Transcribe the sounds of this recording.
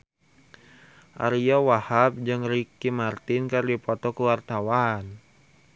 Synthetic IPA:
ʔa̰ɾiawahap̚d͡ʒɨŋɾikimart̪ɪnkɨrdipɔt̪ɔkəwart̪awan

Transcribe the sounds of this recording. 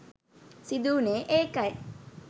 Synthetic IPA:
sid̪uːneʔekɐj

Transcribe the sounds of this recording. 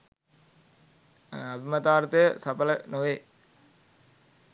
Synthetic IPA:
ɐbimɐt̪aːɾt̪ɐjəsɐpɐlɐnoʋeː

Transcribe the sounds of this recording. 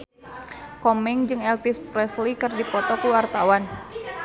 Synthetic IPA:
kɔmɛŋd͡ʒɨŋɛlfispɾɛslikɨrdipɔt̪ɔkuwart̪awan

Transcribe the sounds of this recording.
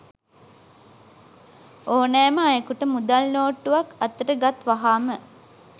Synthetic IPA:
oːnɛːməajəkuʈəmud̪alnoːʈːuʋakɐt̪ːəʈəɡat̪ʋaɦaːmə

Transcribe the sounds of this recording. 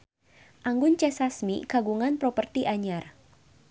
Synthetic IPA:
ʔaŋɡʊnt͡ʃɛsasmḭkaɡuŋanpɾɔpərt̪iʔaɲar

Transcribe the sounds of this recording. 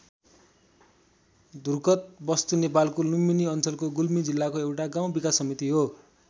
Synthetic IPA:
d̪urkʌt̪̚bʌst̪unepalkoluminiʌnt͡sʌlkoɡulmid͡zilːakoewʈaɡãw̃bikasːʌmit̪iɦo

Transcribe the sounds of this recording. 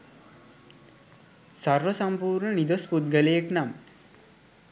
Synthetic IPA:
sarʋəsampuːɾnənid̪osput̪̚ɡəlejeknam

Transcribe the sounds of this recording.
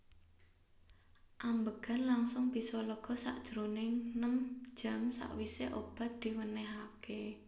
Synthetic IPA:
ʔambəɡ̥a̤nlaŋsʊŋb̥isɔləɡ̥ɔ̤sa̰ʔd̥ʒ̥ɾonɪŋnəm̥d͡ʒ̥a̤msa̰ʔwiseʔob̥a̤t̪̚d̪̥i̤wənɛɦake

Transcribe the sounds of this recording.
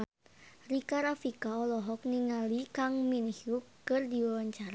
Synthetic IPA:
rikaɾafikaɔlɔɦɔk̚niŋalikaŋminhiukɨrdiwawaɲt͡ʃaɾa

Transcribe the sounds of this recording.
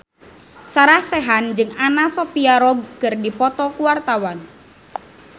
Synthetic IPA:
saɾahsɛɦand͡ʒɨŋanasɔpiaɾɔbkɨrdipɔt̪ɔkuwart̪awan

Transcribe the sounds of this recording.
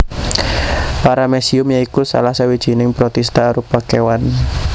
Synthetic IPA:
paɾamɛsiʊmjaikusa̰lahsawid̥ʒ̥i̤nɪŋpɾɔt̪ɛst̪aːɾupakewan

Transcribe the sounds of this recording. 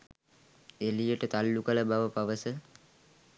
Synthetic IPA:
elijəʈət̪alːukələbaʋəpaʋəsə

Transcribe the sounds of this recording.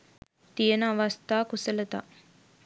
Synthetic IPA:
t̪ijɐnaʋast̪aːkusɐlɐt̪a̰

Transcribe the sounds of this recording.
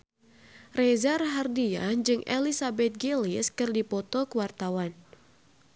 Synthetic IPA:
rɛzarɦardia̰nd͡ʒɨŋʔelisabɛt̪̚ɡeliskɨrdipɔt̪ɔkəwart̪awan

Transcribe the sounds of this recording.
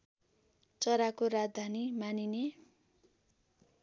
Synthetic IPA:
t͡sʌɾakoɾad͡zd̪ʱanimanine

